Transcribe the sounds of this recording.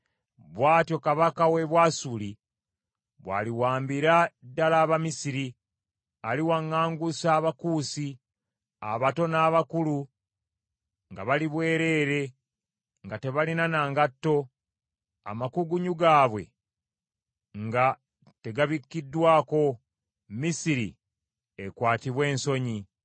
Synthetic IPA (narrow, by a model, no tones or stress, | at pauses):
βwaːtjo̞kaβakawe̞βwasuli | βwa̰ːliwaːmbiɾadːalaːβamisiɾi | aliwaŋːaːŋɡusaːβakuːsi | a̰βato̞naːβakulu | ŋɡa̰βaliβwe̞ːɾe̞ːɾe̞ | ŋɡate̞βalinanaːŋɡatːo̞ | a̰makuɡuɲuɡaːβwe̞̰ | ŋɡa | te̞ɡaβikːidːwaːko̞ | misiɾḭ | ekwaːtiβwe̞ːnso̞ɲi